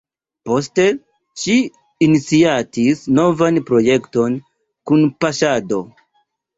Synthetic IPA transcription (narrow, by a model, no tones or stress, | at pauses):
po̞s̬te̞ | ʃiː | nit͡siatisno̞vanpɾo̞je̞kto̞n | kunpaʃado̞